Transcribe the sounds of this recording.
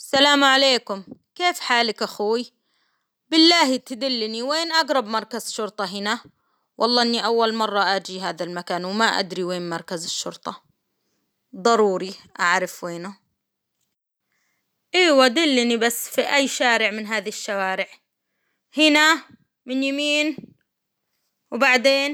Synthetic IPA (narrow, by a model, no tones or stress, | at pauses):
salaːmʕaleːkʊmkeːfħaːlɪkʔaxuːi | bɪlːaːhit̪ɪd̪ɪlːɪniweːnʔaɡɾˤɑbmɑɾˤkazʃʊɾt̪ˤɑɦɪna | wʔɑlˤːɑːʔɪnːiʔawːalmɑrˤːɑʔad͡ʒiɦaːðalmakaːnwmaʔa̰d̪ɾiweːnmɑɾˤkazɪʃːʊɾt̪ˤɑ | d̪ˤɑɾˤuːɾiʔa̰ʕɾɪfweːnʊ | ʔiːwad̪ɪlːɪnibasːfiʔajːʃaːɾɪʕmɪnɦaːðiʃːawaːɾɪʕ | hɪna | mɪnjamiːn | wbaʕd̪eːn